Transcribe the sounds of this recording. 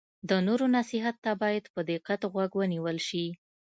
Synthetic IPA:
d̪ənoɾonasɪɦat̪ːabɑjad̪pəd̪ɪqat̪ɣwaɡwəniwəlʃi

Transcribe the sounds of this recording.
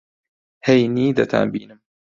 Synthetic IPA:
hejniːd̪ɐt̪ʰa̰ːnbiːnɨm

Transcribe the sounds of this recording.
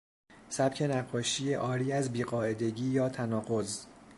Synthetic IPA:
sæb̥cʰe̞næɢːɒːʃiːjeʔɒːɾiːæzbiːɢɒːe̞d̪e̞ɟiːjɒːt̪ʰænɒːɢo̞z

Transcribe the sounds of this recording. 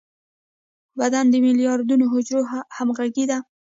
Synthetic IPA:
bad̪and̪əmɪlijɑɾd̪unoɦʊd͡ʒɾohamɣaɡid̪a

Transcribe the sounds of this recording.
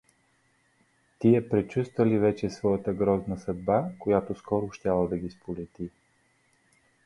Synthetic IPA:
t̪iɛpɾɛt͡ʃust̪vəlivɛt͡ʃɛsvɔjət̪əɡɾɔznəsɐd̪̚bakojat̪oskɔɾʊʃt̪ʲalˠəd̪ɐɡʲispolɛt̪i

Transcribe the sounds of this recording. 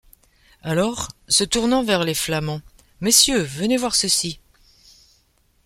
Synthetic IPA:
alɔʁsət̪uʁnɑ̃vɛʁleflamɑ̃ | mesjøvənevwaʁsəsi

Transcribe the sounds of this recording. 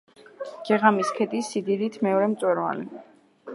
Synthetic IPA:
ɡ̥ɛʁamiskʰɛt̪ʼisːid̪id̪it̪ʰmɛɔɾɛmt̪sʼwɛɾva̰li

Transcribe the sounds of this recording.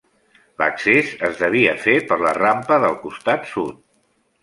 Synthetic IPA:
lə̰ksezəzðəβ̞iəfepəɾlərampəðəlˠkust̪at̪sut̪̚

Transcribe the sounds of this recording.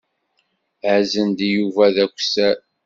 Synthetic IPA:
ʕəzənd̪ijuvæðækʷːsæ

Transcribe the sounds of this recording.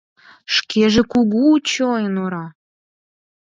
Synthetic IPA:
ʃkʰeʒĕkuɣuːt͡ɕojənoɾɑ

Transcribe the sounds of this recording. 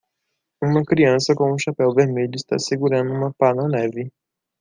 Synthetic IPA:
ũmɐkɾiɐ̃sɐkõũʃapɛwveɾmeʎʊist̪a̰seɡuɾɐ̃nd̪ʊũmɐpanɐnɛvɪ

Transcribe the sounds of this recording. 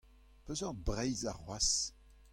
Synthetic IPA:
pøzɔʁ̚bʁɛjzaʁwas

